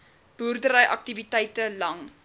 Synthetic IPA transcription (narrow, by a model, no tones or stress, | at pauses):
b̥urdəɾəjʔɐ̰k̚tivitɛjtəlɐŋ